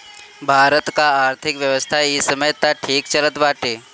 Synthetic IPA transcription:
bʱaːɾət̪kaaːɾt̪ʰɪkʋjɐʋəst̪ʰaisəməjt̪aʈʰiːkt͡ʃələt̪baːʈeː

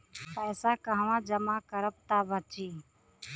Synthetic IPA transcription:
pɛːsaːkãːʋãːd͡ʒəmãːkəɾəp̚t̪aːbʱət͡ʃiː

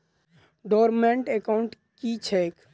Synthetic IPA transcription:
ɖɔːɾmẽɳʈekaʊɳʈ | kit͡ʃʰɛk

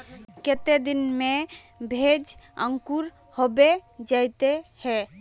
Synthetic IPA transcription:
ket̪ed̪inme | bʱed͡ʒəŋkuɾ | hobed͡ʒaɪt̪ehɛ

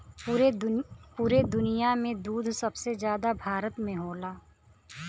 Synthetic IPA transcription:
puːɾed̪ʊnijamẽd̪uːd̪ʱsɐbsezjaːd̪abʱaːɾət̪mẽɦoːlaː

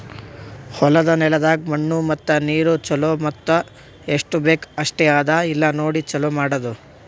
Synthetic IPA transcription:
hɔlɐd̪ɐnɛlɐd̪aːɡ̚mɐɳːumɐt̪ːɐniːɾut͡ʃɐloːmɐt̪ːɐ | eʂʈube̞ːkɐʂʈɛaːd̪ailːɐno̞ːɽit͡ʃɐloːmaːɽɐd̪u

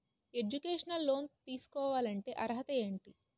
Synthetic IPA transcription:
e̞d͡ʒukeːʂɐnɐlːoːnt̪iːsu̥kɔːʋaːlɐɳʈe̞ːʔɐɾɦɐt̪ɐe̞ːɳʈi

